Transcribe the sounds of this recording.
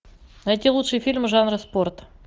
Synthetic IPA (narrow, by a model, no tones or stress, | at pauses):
ɐɛtʲɪlˠutʂɨjfʲilʲmʐanɾɨsport̪